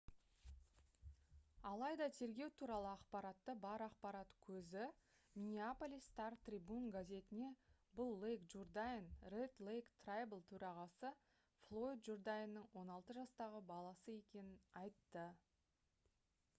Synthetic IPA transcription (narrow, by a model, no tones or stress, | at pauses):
ɑlˠɑjd̪ɑt̪ʰe̞ɾɡʲe̞wt̪ʰuɾɑlˠəɑqpɑɾɑt̪ːəbɑɾɑqpɑɾɑt̪kʲʰɵzɪ | mʲinʲiapolʲijst̪ɑɾt̪ribunɡazʲe̞t̪ɪne̞bʊlˠːejkʒurd̪ajnret̪lˠejkt̪rajblˠt̪ʰɵɾɑʁɑsə | flˠo̞jd̪ʒurd̪ajənːəɴwo̞nɑlˠt̪əʒɑst̪ɑʁəbɑlˠɑsəje̞kʲe̞nɪnɑjt̪ːə